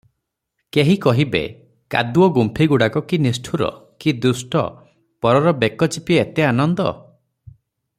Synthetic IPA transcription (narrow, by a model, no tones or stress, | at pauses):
keɦikɔɦibḛ | ka̰d̪uɔɡumpʰiɡuɽakɔkinisʈʰuɾɔ̰ | kid̪usʈɔ̰ | pɔɾɔɾɔbekɔt͡ʃipiet̪eanɔnd̪ɔ̰